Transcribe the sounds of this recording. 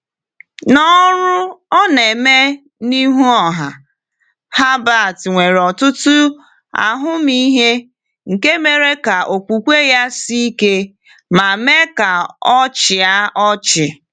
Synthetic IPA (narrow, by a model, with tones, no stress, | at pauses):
nɔ˦ɾʊ˦ɔ˦ne˨me˦ | ni˦ɦu˦ɔ˨ɦa˨ | ha˦ba˦˨tŋʷe˨ɾɔ˨tʊ˦tʊ˦ | a̰˨ɦʊ˦mi˦ɦe˦ | ŋ̩˨ke˦me˨ɾe˦ka˨ʔo˨kʷu˨kʷe˦ja˦si˦i˦ke˦ | ma˨me˦ka˨ɔ˦t͡ʃɪ˨a˦ɔ˦t͡ʃɪ˨